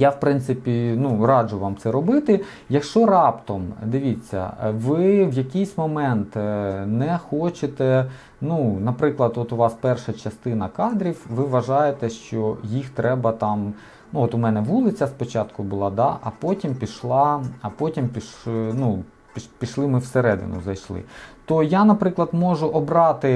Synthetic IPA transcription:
jawpɾɪnt̪sɪpʲinuɾɑd͡ʒʊʋɑmt̪sɛɾɔbɪt̪ɪ | jɐkʃt͡ʃɔɾɑpt̪ɔmd̪ɪʋʲit͡sʲːɐ̰ʋɪʋjɐkɪjsʲmɔmɛnt̪nɛxɔt͡ʃɪt̪ɛ | nunɐpɾɪklˠɐd̪ɔt̪ʊʋɑspɛrʃɐt͡ʃɐst̪ɪnɐkɑd̪ɾʲiwʋɪʋɐʒɑjet̪ɛʃt͡ʃɔjixt̪ɾɛbɐt̪ɑm | nuɔt̪ʊmɛnɛʋulˠɪt͡sʲːɐspɔt͡ʃɑt̪kʊbʊlˠɑd̪ɑʔɐpɔtʲimpʲiʃlˠɑɐpɔtʲimpʲiʃnu | pʲipʲiʃlˠɪmɪwseɾɛd̪ɪ̰nʊ̰zɐjʃlˠɪ̰t̪ɔjanɐpɾɪklˠɐd̪mɔʒʊʔɔbɾɑt̪ɪ

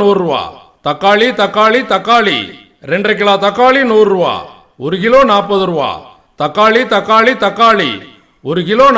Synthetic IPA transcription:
uːɾɾuʋa̰ː | t̪ɐkːaːɭit̪ɐkːaːɭit̪ɐkːaːɭḭ | ɾɛɳɖrɐk̬ɪɭaːt̪ɐkːaːɭinuːɾɾuʋa̰ː | ɔɾʊkɪloːnaːp̬ːɐðɯɾuʋa̰ː | t̪ɐkːaːɭit̪ɐkːaːɭit̪ɐkːaːɭḭ | ɔɾɯkɪloːn

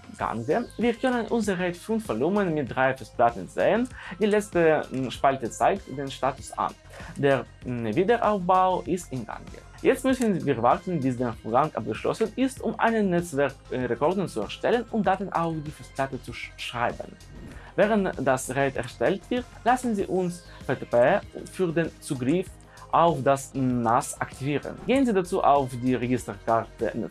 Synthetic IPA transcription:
ɡ̥a̰ŋɡəviːɐkʰœnənʔʊnzɐʁɛtfʊntv̥olumənmɪt̚d̥ʁaɪfɛstplatn̩zḛːənd̥iːlɛt͡stəʃpaltət͡saɪktd̥eːnʃtaːtʊ̥sʔa̰n | deːɐnviːdəʔaʊfbaʊʔɪstɪnɡa̰ŋɡə̰ | jɛt͡stmʏsn̩viːɐvaʁtn̩bisdeːfoɡaŋʔa̰p̚ɡ̥əʃlɔ̰sənɪstʊmʔa̰ɪnənːɛt͡svɛʁkʁekɔʁdn̩t͡suɛ̰ɐʃtɛlənʊntd̥atɪnʔa̰ʊfd̥iːfɔsplatət͡suʃʁ̥a̰ɪbən | vɛːʁəntd̥asʁɛtɛ̰ɐʃtɛltv̥ɪʁtlasn̩zḭːʔʊns | petepeːfyːɐdeːnt͡suːɡʁɪf | ʔaʊfd̥asnasʔaktʰiviːʁə̰nɡeːənziːdat͡suːʔa̰ʊfdiːʁeɡɪstəkʰaʁtə̰

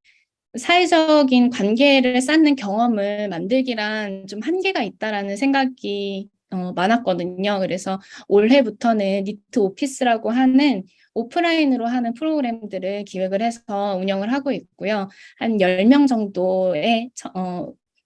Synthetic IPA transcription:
sʰaed͡ʑʌɡinkwanɡe̞ɾɯɭs̬͈anːɯnkjʌŋʌmɯɭmandɯɭɡiɾant͡ɕomhanɡe̞ɡait̚t͈aɾanɯnsʰe̞ŋɡaɡi | ʌmanɦak͈̚ʌdɯɲokɯɾe̞sʰʌoɭɦe̞butʰʌnɯnːitʰɯopʰis͈ɯɾaɡoɦanɯn | opʰɯɾainɯɾoɦanɯnpʰɯɾoɡɯɾe̞mdɯɾɯɭkiwe̞ɡɯɭhe̞sʰʌuɲʌŋɯɭɦaɡoik̚k͈ojohanjʌɭmjʌŋd͡ʑʌŋdoe̞t͡ɕʰʌ

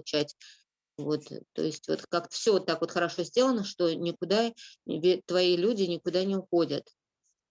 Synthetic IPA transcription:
ʊt͡ɕætʲ | vo̞t̪ːo̰ɪsʲtʲvot̪kakt̪ə̥fsʲɵvot̪ːakvo̞t̪xəɾɐʂo̞zʲdʲe̞lˠənəʂt̪o̞nʲɪkʊd̪avʲet̪vɐilʲudʲɪnʲɪkʊd̪anʲɪʊxo̞dʲət̪

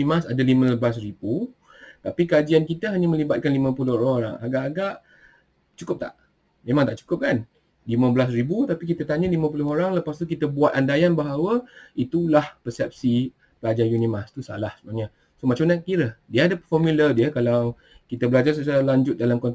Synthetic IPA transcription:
imasadalimə̃blasɾibu | t̪apikəad͡ʒiankit̪əɦaɲamə̃libat̪̚kanlimãpulʊhoɦoɾa̰ŋaɡaʔaɡaʔ | t͡ʃukʊp̚t̪a̰ʔ | mẽmaŋt̪aʔt͡ʃu̥kʊp̚kan | limə̃bəlas̬ribut̪apik̬it̪at̪aɲalimãpulʊɦoɾaŋləpast̪ukit̪əbuat̪̚andajanbaɦawəit̪ulahpəsɛp̚si | pəlad͡ʒajunimast̪usa̰lahsəbaɲa | somat͡ʃamɲakiɾədiəadapəfɔmilədiəkalaw | kit̪əbəlad͡ʒars̬ət͡ʃaɾalaɲd͡ʒʊt̪̚dalamkɔnt̪

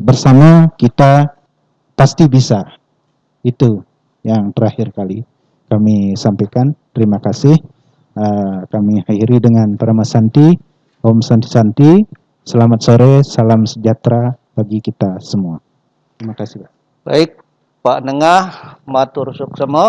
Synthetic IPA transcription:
bərsamakit̪a | past̪ibisa | it̪u | jaŋt̪əɾahɪrkali | kamisampakant̪əɾimakasɪh | əkamihaiɾidəŋanpəɾamasant̪i | hɔmsant̪isant̪i | səlamat̪̚soɾesalamsəd͡ʒat̪ɾa | b̥aɡikit̪asəmua | t̪əɾimakasɪhba | baɪk̚ | paʔnəŋahmat̪ursʊksəmo

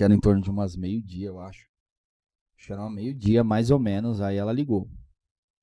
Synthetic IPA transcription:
ɛɾʊ̃ẽt̪oɾnʊd͡ʒɪũmɐzmejʊd͡ʒiɐewaʃʊ̥ | ʃeɾãɐmejʊd͡ʒiɐmajzowmẽnʊzaiɛlɐliɡow

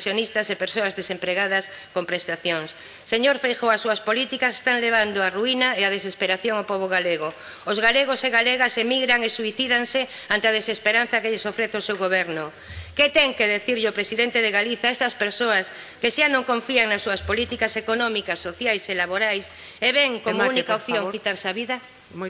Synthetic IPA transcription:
sjonist̪asepeɾsoazðesempɾeɣaðas | kompɾest̪aθjoŋsː | eɲoɾfejxoasuaspolit̪ikase̥st̪aŋleβ̞and̪oaruinaeað̞esespeɾaθjoŋapoβ̞oɣ̞aleɣo | ozɣaleɣ̞oseɣaleɣasemiɣɾaŋesuiθiðaŋse | ant̪eaðesespeɾan̟θakeʎesofɾeθeosewɣoβ̞eɾnʊ | ket̪eŋkeðeθiɾʎopɾesiðent̪eðeɣaliθaest̪aspeɾsoas | keʃanõŋkõɱfiaŋnasːuaspolit̪ikasekonɔ̃mikasːoθjajselaβoɾajs | eβeŋkomunikaopθjõŋkit̪aɾsaβiða

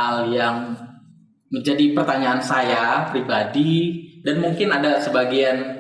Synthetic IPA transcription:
aljaŋ | məɲd͡ʒadipərt̪aɲaːnsajapɾibadidanmuŋkɪnadasəbaɡian

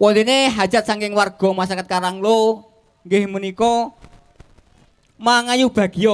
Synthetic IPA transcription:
wɔlineɦḁd͡ʒ̥ʒ̥a̤t̪̚saŋkɪŋwarɡ̥ɔ̤masakat̪̚kaɾaŋlo | ŋɡɪhmunikɔ | maŋajub̥a̤ɡ̥ijɔ

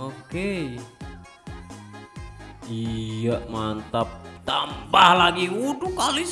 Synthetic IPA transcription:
oke | ijaʔmant̪ap̚t̪ambahlaɡiudukalois

